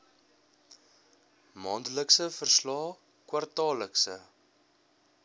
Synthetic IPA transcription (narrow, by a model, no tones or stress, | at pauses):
mɑːndələksəfərslɑː | kwɐrtɑːləksə̰